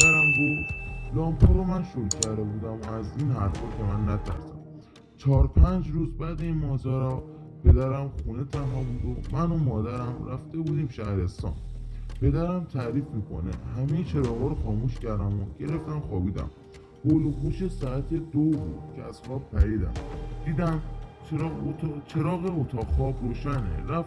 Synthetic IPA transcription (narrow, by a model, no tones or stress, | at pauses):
æɾæmɡod̪lɒːmɦɒːɾomænʃolcʰæɾd̪e̞buːd̪æmoæziːnɦæɾfɒːkʰemænːæt̪ʰæ̰ɾsæ̰m | t͡ʃʰɒːɾpʰænd͡ʒɾuːzbæd̪eiːnmɒːzæɾɒ | pʰe̞d̪æɾæmxuːne̞t̪ʰæmɦɒbuːd̪omænomɒːd̪æɾæmɾæft̪e̞buːd̪iːmʃæhɾe̞st̪ɒ̰ːnpʰe̞d̪æɾæmt̪ʰæɾiːfmiːkʰo̞̰nḛhæmejet͡ʃʰe̞ɾɒːɣɒːɾoxɒːmuːʃcæɾd̪æmoɟ̥e̞ɾe̞ft̪æmxɒːbiːd̪æ̰m | holohuːʃesɒæt̪ʰe̞d̪obuːd̪̥cʰeæz̥xɒːb̚pʰæɾiːd̪æ̰md̪̥iːd̪æmt͡ʃɾt͡ʃʰe̞ɾɒːɣeot̪ʰɒːɣxɒːbɾoːʃænḛɾæf